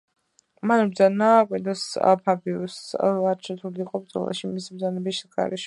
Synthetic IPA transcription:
manbɾd̪zanakʼwind̪ɛsa̰pʰabiusaɾt͡ʃʰɛt̪ʰuliːqʼɔbɾd̪zɔ̰lˠa̰ʃimisibɾd̪zanɛbiʃɡa̰ɾɛʃ

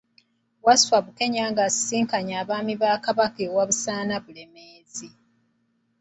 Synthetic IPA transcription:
waswaβuke̞ɲaːŋɡasi̥siːŋkaɲaːβaːmiβaːkaβakeːwaβusaːnaβule̞meːzi

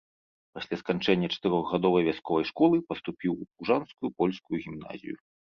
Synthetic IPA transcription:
pasʲlʲaskanʲt͡ʂɛnʲːɐt͡ʂɐ̥t̪ɨɾɔɣɣad̪ɔvɐjvʲaskɔvɐjʂkɔlˠɨpɐst̪upʲiwupuʐanskujupɔlʲskujuɣʲimna̰zʲḭju

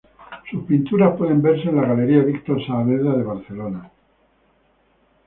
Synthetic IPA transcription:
suspint̪uɾaspwe̞ðe̞mbe̞ɾse̞ːnlaɣale̞ɾiaβikt̪oɾsaːβeðɾaðe̞β̞aɾθe̞lona

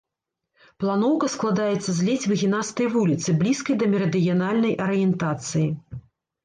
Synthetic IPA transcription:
plˠanɔwkɐsklˠad̪ajɛt̪sːɐzʲlʲit͡sʲvɨɣʲinast̪ɐjvulʲit̪sɨblʲiskɐjd̪ɐmʲɛɾɐd̪ɨjanalʲnɐjʔɐɾɨjɛnt̪at̪sɨji

